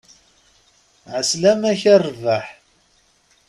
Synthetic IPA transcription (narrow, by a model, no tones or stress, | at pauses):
ʕəslæmæçærˤːvaħ